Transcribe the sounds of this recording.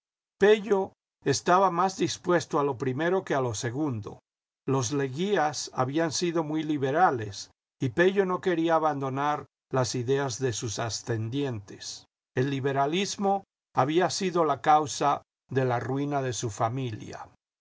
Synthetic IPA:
pe̞ʝo̞ | e̞st̪aβamazd̪ispwe̞st̪oalo̞pɾime̞ɾo̞ke̞alo̞se̞ɣund̪o̞̰ | lo̞zle̞ɣiasa̰βiansiðo̞mwujliβe̞ɾale̞s | ipe̞ʝo̞no̞ke̞ɾiaːβand̪o̞naɾ | lasiðe̞azðe̞susast̪e̞nd̪je̞nt̪e̞̥s | e̞lːiβe̞ɾalizmo̞ | aβiasiðo̞lakawsa | ðe̞larwinaðe̞sufamilja̰

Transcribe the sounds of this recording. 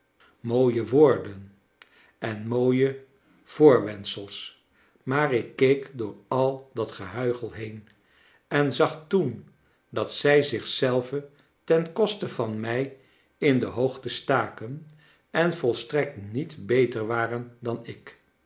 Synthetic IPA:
moːjəʋoːɹdən | ʔɛnmoːjə | v̥ʊːɹʋɛnsəlˠs | maːɹɪkːejkdʊːɹɑlˠdɑtχəɦœɥχəlˠɦejn | ɛnzɑχtun | dɑtsɛjzɪχsɛlˠvə | tɛnkɔstəvɑnmɛj | ɪndəɦowχtəstaːkən | ɛnvɔlˠstrɛk̚tnitbejtəɹʋaːrəndɑnɪk

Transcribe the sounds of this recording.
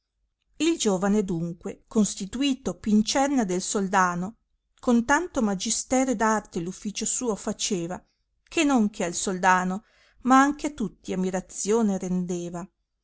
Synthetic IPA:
ild͡ʒoːvaned̪uŋkwekonst̪it̪uiːt̪opint͡ʃɛrnad̪elsold̪aːno | kont̪ant̪omad͡ʒist̪ɛːɾed̪art̪elufːiːt͡ʃosuːofat͡ʃeːva | kʰenoŋkʰealsold̪aːno | maaŋk̟eat̪ut̪ːiamːiɾat̪sjoːneɾend̪eːva

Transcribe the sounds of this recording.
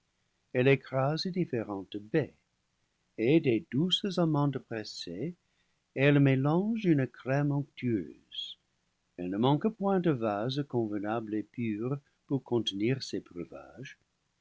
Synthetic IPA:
ɛlɛkɾazedifeʁɑ̃t̪əbe | ededuszamɑ̃d̪əpʁɛse | ɛlmelɑ̃ʒynəkɾɛmɔ̃ŋk̚t̪ʰyø̰ːz̥ | ɛlnəmɑ̃ŋkəpwɛ̃d̪əvazkɔ̃vənablepyːʁ | puʁkʰɔ̃nt̪əniʁsebʁəva̰ʒ

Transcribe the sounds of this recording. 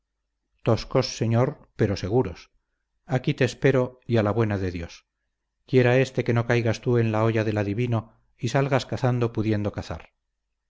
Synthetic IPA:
t̪oskosːe̞ɲoɾ | pe̞ɾo̞se̞ɣuɾos | akit̪eːspe̞ɾo̞ialaβwe̞naðeðjo̞s | kje̞ɾae̞st̪e̞ke̞nokajɣast̪ue̞nlao̞ʝaðe̞laðiβino | isalɣaskaθand̪o̞puðje̞nd̪o̞kaθa̰ɾ

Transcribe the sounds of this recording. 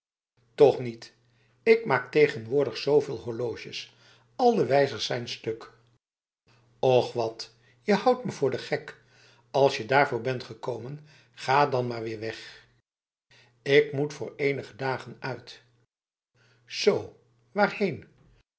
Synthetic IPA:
tɔχnit | ɪkmaːktejχənʋʊːɹdəχsowvɪːlˠɦɔɹloːʒəs | ɑlˠdəʋɛjzəɹsɛjnstɵk | ɔχʋɑt | jəhɑwtməvʊːɹdəχɛk | ɑlˠsjədaːɹvʊːɹbɛntχəkowmən | χaːdɑnmaːɹʋɪːɹʋɛχ | ɪkmutfʊ̰ːɹejnəχədaːχənœɥt | z̥ow | ʋaːɹhejn

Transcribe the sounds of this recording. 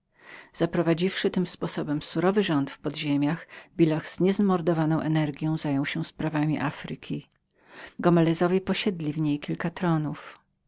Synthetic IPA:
z̥apɾɔvad͡ʑifʂɘt̪ɘmspɔsɔbɛmsuɾɔvɘʐɔnt̪fpɔd̪ʑemʲjaxbʲilaɣz̥ɲɛzmɔɾd̪ɔvanɔ̃w̃ʔɛnɛɾɡʲjɔ̃w̃zajɔ̃w̃ɕɛspɾavamʲiʔafɾɘkʲi | ɡɔmɛlɛzɔvʲjɛpɔɕɛd̪lʲivɲejkʲilkat̪ɾɔnuf

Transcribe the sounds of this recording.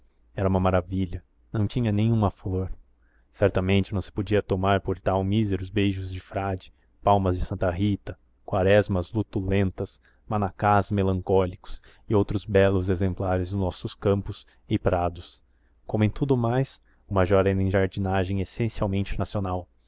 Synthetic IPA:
ɛɾɐũmɐumaɾaviʎɐ | nɐ̃w̃t͡ʃĩɲɐnẽj̃ũmɐfloɾ | sɛɾt̪ɐmẽnt͡ʃɪnɐ̃w̃sɪ̥pod͡ʒiɐt̪omaɾpoɾt̪awmizeɾʊzbejʒʊzd͡ʒɪfɾad͡ʒɪ̥ | pawmɐzd͡ʒɪsɐ̃nt̪ɐɦit̪ɐ | kwaɾɛzmɐzlut̪ulẽnt̪ɐs | manakazmelɐ̃ŋkɔlikʊ̥s | ɪowt̪ɾʊzbɛlʊzezẽmplaɾɪzd̪ʊnɔsʊskɐ̃mpʊs | ɪpɾad̪ʊs | kõmʊẽj̃t̪ud̪ʊmajs | ũmɐʒɔɾẽnẽʒaɾd͡ʒinaʒẽj̃esẽsiawmẽnt͡ʃɪnasionaw

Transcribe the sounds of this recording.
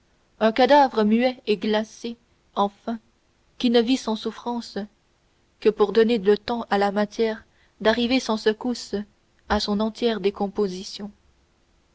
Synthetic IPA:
œ̃kad̪avʁəmyɛeɡlase | ɑ̃fɛ̃ | kʲinəvisɑ̃sufχɑ̃s | kəpuʁd̪ɔnelət̪ɑ̃ʔalamat̪jɛːʁ | d̪aʁivesɑ̃səkus | asɔ̃nɑ̃t̪jɛːʁd̪ekɔ̃pozisjɔ̃

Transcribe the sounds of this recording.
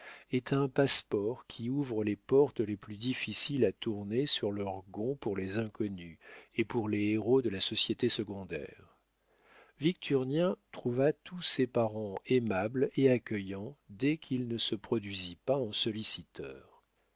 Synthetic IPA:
et̪ʰɛ̃paspɔʁkʲʰiuvʁəlepɔʁt̪leplyd̪ifisilat̪uʁnesyʁlœʁɡɔ̃puʁlezɛ̃kɔnyepuʁleeʁod̪əlasɔsjet̪esəɡɔ̃d̪ɛ̰ːʁ | vik̚t̪ʰyʁnjɛ̃t̪χuvat̪ʰusepaʁɑ̃emableakʲəjɑ̃d̪ɛkʲʰilnəsəpχɔd̪ɥizipaɑ̃sɔlisit̪œ̰ːʁ

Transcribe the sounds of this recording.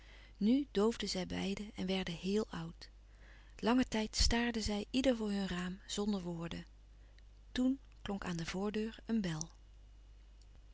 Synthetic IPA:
nydowvdəzɛjbɛ̰jdəɛnʋɛɹdəɦɪːlˠʌwt | lɑŋətɛjtstaːɹdəzɛjʔidəɹvʊːɹɦɵnraːmz̥ɔndəɹʋʊːɹdə | tun | klɔŋkaːndəv̥ʊːɹdøːɹənbɛlˠ

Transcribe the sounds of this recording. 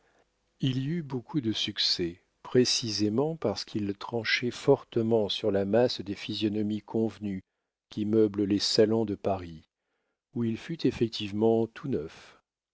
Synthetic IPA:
iliybokʰud̪əsyksɛ | pχesizemɑ̃paʁsə̥kʰilt̪χɑ̃ʃɛfɔʁt̪əmɑ̃syʁlamasd̪efizjɔnɔmikʰɔ̃vny | kʲimœbləlesalɔ̃d̪əpaʁi | uilfyt̪efɛk̚t̪ʰivmɑ̃t̪ʰunœf

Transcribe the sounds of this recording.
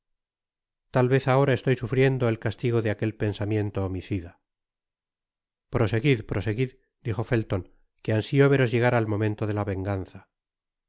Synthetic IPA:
t̪alβe̞θao̞ɾaest̪o̞jsufɾje̞nd̪oelkast̪iɣo̞ðeake̞lpe̞nsamje̞nt̪oːmiθiða | pɾo̞se̞ɣiðpɾose̞ɣið | d̪ixo̞felt̪o̞ŋ | keansioβeɾo̞zʝe̞ɣ̞aɾaːlmõ̞mẽnt̪oðelaβe̞ŋɡanθa

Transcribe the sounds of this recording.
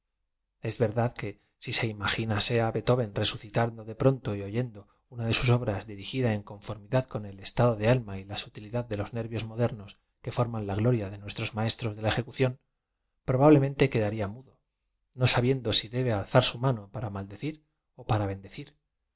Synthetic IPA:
e̞zβe̞ɾðaðke̞ | sise̞imaxinase̞aβe̞t̪o̞βe̞nre̞suθit̪and̪o̞ðe̞pɾo̞nt̪o̞io̞ʝe̞nd̪o̞ | unaðe̞suso̞βɾazðiɾixiðae̞ŋko̞ɱfo̞ɾmiðaðko̞ne̞le̞st̪aðo̞ðe̞almailasut̪iliðaðːe̞lo̞zne̞ɾβjo̞zmo̞ðe̞ɾno̞s | ke̞fo̞ɾmãnlaɣlo̞ɾjaðe̞nwe̞st̪ɾo̞zmae̞st̪ɾo̞zðe̞lae̞xe̞kuθjo̞n | pɾo̞β̞aβle̞ment̪e̞ke̞ðaɾiamuðo̞ | no̞saβje̞nd̪o̞siðe̞βe̞alθaɾsumano̞paɾamald̪eθiɾ | o̞paɾaβe̞nd̪e̞θiɾ

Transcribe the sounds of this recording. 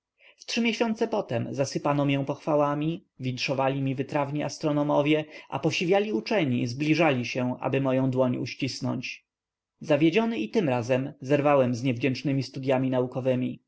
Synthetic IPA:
ftʂɘmʲjɛɕɔnt̪sɛpɔt̪ɛmzasɘpanɔmjɛ̃w̃pɔxfawamʲivʲintʂɔvalʲimʲivɘt̪ɾavɲiʔast̪ɾɔnɔmɔvʲjɛʔa̰pɔɕivʲjalʲiut͡ʂɛɲizblʲiʐalʲiɕɛʔa̰bɘmɔjɔ̃w̃d̪wɔɲṵɕt͡ɕisnɔ̰ɲt͡ɕ | zavʲjed͡ʑɔnɘit̪ɘmɾazɛmzɛɾvawɛmzɲɛvd͡ʑɛnt͡ʂnɘmʲist̪ud̪jamʲinaukɔvɘmʲi

